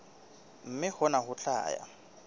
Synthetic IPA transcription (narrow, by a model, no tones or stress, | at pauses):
m̩mɪhʊnahʊt͡ɬa̰ːja̰